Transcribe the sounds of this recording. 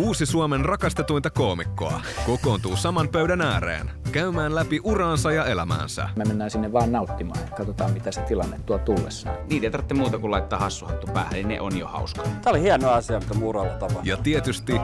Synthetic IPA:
uːsisuomenrɑkɑst̪et̪ujnt̪ɑkoːmikːoɑ̰ | kokoːnt̪uːsɑmɑmpøɥdænæːɾḛːnkæymæːnlæpiʔurɑːnsɑjɑelæmæ̰ːnsæ̰memenːæːnsinːeʋʋɑːnnɑut̪ːimɑ̰ːnɑkɑt̪ot̪ɑ̰ːmmit̪æset̪ilɑ̰nːet̪tuot̪ulːḛsːɑ̰ːniːt̪eit̪ɑrt̪ːemuːt̪ɑkulɑit̪ːɑːhɑsːuhɑt̪ːupæ̰ːhæninḛʔonjohɑ̰uskɑ̥t̪æolihiɛnoɑɑsiɑmit̪k̪ːæmuːrɑltt̪ɑpɑjɑt̪iet̪yst̪i

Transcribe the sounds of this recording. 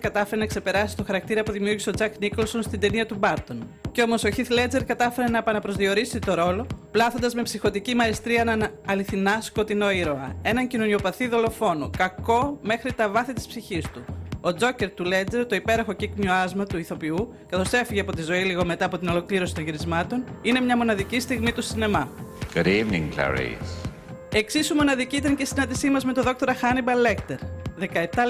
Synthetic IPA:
kɐt̪ɐfe̞ɾenɐkse̞pe̞ɾɐsi̥st̪oxɐɾɐk̚t̪iɾɐpuðimiuɾɣiseo̞d͡zɐknikolso̞nst̪ind̪e̞niɐt̪ubɐɾt̪o̞nceo̞mo̞so̞çiθle̞d͡ze̞ɾkɐt̪ɐfe̞ɾe̞nɐepɐnɐpɾo̞zðio̞ɾisit̪o̞ɾo̞lo̞plɐθo̞nd̪ɐzme̞psixo̞t̪icimɐest̪ɾiɐenɐːliθinɐsko̞t̪ino̞iɾo̞ɐ̰e̞nɐɲcinonio̞pɐθiðo̞lo̞fo̞nokɐko̞me̞xɾit̪ɐvɐθit̪i̥spsiçist̪uo̞d͡zo̞ce̞ɾt̪ule̞d͡zeɾt̪o̞ipe̞ɾɐxo̞cikmjoɐzmɐt̪uiθo̞piu | kɐθo̞se̞fiʝeɐpo̞t̪izo̞iliɣo̞me̞t̪ɐːpo̞t̪ino̞lo̞kliɾo̞sit̪oɲʝiɾizmɐt̪o̞nine̞mɲɐmo̞nɐðicist̪iɣmit̪usine̞mɐɡ̥ɾivniŋɡlɐ̰ɾḭs | e̞ksisumo̞nɐðiciit̪ɐɲcesinɐnd̪isimɐzme̞t̪o̞ðo̞k̚t̪o̞ɾɐxɐnibɐle̞kt̪e̞ɾðe̞kɐep̚t̪ɐ

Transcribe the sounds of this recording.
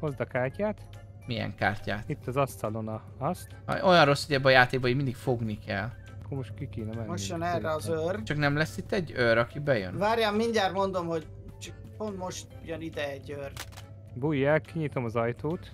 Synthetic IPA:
mozd̪ɒkaːrcaːt̪ | mijɛ̰ŋka̰ːrca̰ːt̪it̪ːɒzɒstsɒlonɒ | ɒst̪o̞jɒnro̞sːoɟɛbːɛɒjaːt̪eːɡ̚bɒiɟmind̪ikfo̞ɡnikɛ̰l | ɒkːoɾmoʃt̪kikeːnɛmɛnmoʃjonɛrːɛɒzørt͡ʃɒknɛmlɛsːit̪ːɛɟːøɾɒkibɛjø̰nʋaːɾjaːmːiɲɟaːt̪mo̞nd̪o̞mho̞ɟ | t͡ʃɒk | pont̪mo̞ʃt̪ | jønid̪ɛɛɟːør | buːjːaːkiɲit̪o̞mɒzɒjt̪oːt̪

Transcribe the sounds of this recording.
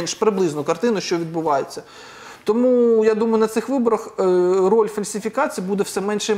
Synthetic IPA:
nʃpɾɪblˠɪznʊkɐrt̪ɪnʊʃt͡ʃɔʋʲid̪̚bʊʋɑjet͡sʲːɐ | t̪ɔmujad̪umɐjʊnɐt̪sɪxʋɪbɔɾɐxrɔlʲfɐlʲsʲɪfʲikɑt͡sʲijibud̪ɛwsɛmɛnʃɛ

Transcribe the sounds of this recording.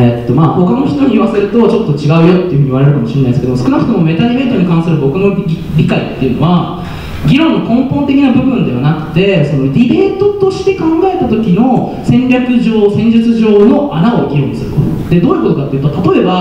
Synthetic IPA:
et̪ːo̞maːho̞kano̞çi̥t̪o̞ɲ̟iβase̞ɾɯ̟t̪o̞t͡ɕo̞t̪ːo̞t͡ɕiɡaɯ̟jo̞t̪ːeɯ̟ɦɯ̟iβaɾe̞ɾɯ̟kamo̞ɕiɾenaid̪esɨked̪omsɨ̥kɯnakɯ̟t̪omo̞me̞t̪aɾʲibe̞ːt̪oɲ̟ikãsɨɾɯ̟bo̞kɯ̟no̞ | ɾʲikait̪ːe̞jɯ̟no̞̰βa | ɡʲiɾõ̞nːokõ̞mpõ̞nt̪e̞kʲinabɯ̟bɯ̟̃nd̪e̞βanakɯ̟̥t̪e̞so̞no̞ɾʲibe̞ːt̪o̞t̪o̞ɕi̥t̪e̞kãŋɡae̞t̪at̪o̞kʲino̞ | sẽ̞ɲɾʲakɯ̟ʑo̞ːsẽ̞ɲ̟d͡ʑɨt͡sɨʑo̞ːno̞ʔanao̞ɡʲiɾõɲːisɨɾɯ̟ko̰t̪o̰d̪̥e̞d̪o̞ːi̟ko̞t̪o̞kat̪ːeiɯ̟t̪ot̪at̪o̞e̞ba

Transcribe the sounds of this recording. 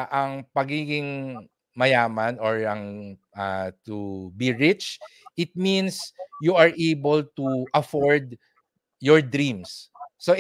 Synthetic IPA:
ʔɐŋpɐɡiːɡɪŋ | mɐjaːmɐnɔɹɐŋ | at̪ubiɹɪt͡ʃʔɪt̪̚mĩnsjuɐɹʔejbɛlt̪uʔɐfɔɹd̪ | jɔɹd̪ɾĩmsːo

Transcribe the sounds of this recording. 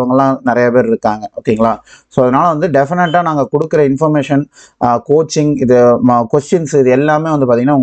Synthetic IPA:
ʋɐŋɡɐɭlãːnɪɾɐjapeːɾɪɾɯkːaːŋɡɐoːkːeiːŋɡɐɭaːsoːɐðɐnaːlɐʋɐnd̪ɯɖɛfɪnɐʈːaːnaːŋɡɐkɔɽɯkːɪɾɐɪnfɔɾmeːʂɐn | koːt͡ʃːɪŋɪðɯkʋɐsʈɐnsɪðɯɛlːaːmeːʋɐnd̪ɯpaːɾt̪iŋɡɐnːaːʊɐŋ

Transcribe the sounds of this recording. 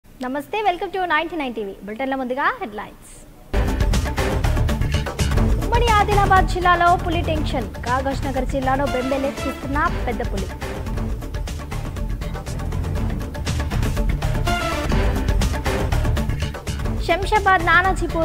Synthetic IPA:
nɐmɐst̪eːʋelkɐmʈunaːjnʈinajnʈiːʋḭːbulʈɐnlɐmund̪uɡaːɦeɖlaːjns | umːɐɽiaːd̪ilaːbaːd̪̚d͡ʒilːaːloːpulːiʈeŋʂɐnɡaːɡɐʂnɐɡɐɾd͡ʒilːaːloːbembeleskist̪naːpːɛd̪ːɐpulːi | ʃɐmʃɐbaːd̪naːnɐd͡ʒʱipu

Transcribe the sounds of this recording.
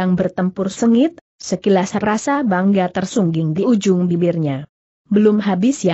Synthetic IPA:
aŋbərt̪əmpʊrsəŋɪt̪̚ | səkilasrasabaŋɡat̪ərsuŋɡɪŋdiud͡ʒʊŋbibɪrɲa | bəlʊmɦabɪsja

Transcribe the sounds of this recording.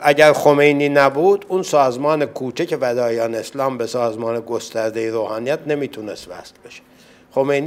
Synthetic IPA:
ʔæɟæɾxo̞mejniːnæbuːd̪unsɒːzmɒːnekʰuːt͡ʃʰecʰe̞væd̪ɒːjɒːneːslɒːmbesɒːzmɒːneɡo̞st̪æɾd̪ejeɾoːhɑːnijæt̪ne̞miːt̪ʰuːnest̪væ̰slbe̞ʃe̥ | xo̞mejni

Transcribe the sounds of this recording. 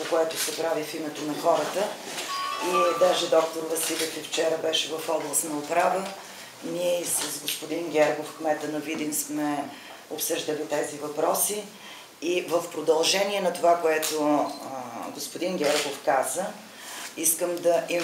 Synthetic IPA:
pokoɛt̪ʊsɛpɾavifimɛt̪onɐxɔɾət̪ə | id̪aʒɛd̪ɔkt̪oɾvɐsilʲofift͡ʃɛɾəbɛʃɛvɐfɔɡlˠəsnɐʊpɾavə | niɛisəzɡospʊd̪inɡʲɛɾɡofkmɛt̪ənovid̪imsmɛ | opsɤʒd̪əlit̪ɛzivɐpɾɔsi | ivəfpɾod̪ɐlˠʒɛniɛnɐt̪ovakoɛt̪ʊ | ɡospʊd̪inɡʲɛɾɡofkazə | iskəmd̪ɐʔi

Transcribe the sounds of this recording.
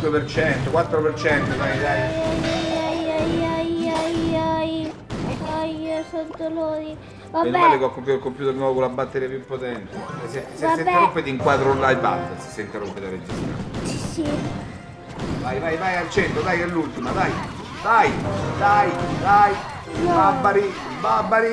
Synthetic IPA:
wepert͡ʃɛnt̪okwat̪ːɾopert͡ʃɛnt̪od̪ajd̪ajajajaajajajaj | ɔjsont̪ːolod̪i | vaialekakːompulkːompjut̪eɾinwɔvokolabːat̪ːeɾiapjupːot̪ɛnt̪eɛseseasːenb̪eɾrompːet̪eiŋkwat̪ɾolːajba̰ld̪ase̥sːeint̪erompːet̪aɾed͡ʒːist̪ɾa̰nsi | vajvajvajalt͡ʃɛnt̪ɾod̪ajɛlːult̪imad̪aj | d̪ajd̪ajd̪aj | babːaɾi | babːaɾi

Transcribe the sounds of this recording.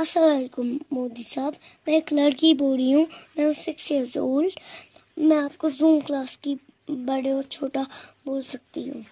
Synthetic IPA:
ɐsaɾaːkomːoːd̪isaːb | mɛ̃eːklɐɽkiboːɽiɦũːmɛ̃ːʊ̃sekseɐzoːl | mɛ̃ːaːp̚kozũːmklaːski | bɐɽeɔːɾt͡ʃʰoːʈaboːlsɐk̚t̪iɦṵ̃ː

